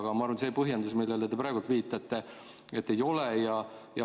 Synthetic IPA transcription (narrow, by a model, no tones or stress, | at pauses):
ɡ̥ɑmɑɑrvɑnseːpɤɦjend̪usmilːelet̪epɾæːɡult̪viːt̪ːˑɑt̪ːe | e̞t̪ːejo̞lɛjɑjɑ